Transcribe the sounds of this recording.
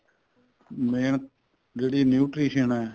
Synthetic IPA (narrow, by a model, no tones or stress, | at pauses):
meːn | d͡ʒeːɽiːnjuːʈɾiːʃənɛː